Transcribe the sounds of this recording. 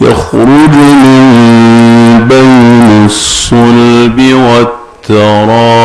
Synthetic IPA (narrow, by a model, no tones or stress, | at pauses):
ja̰xɾʊd͡ʒmɪn | bajnasːʊlbɪwat̪ːɑɾˤɑː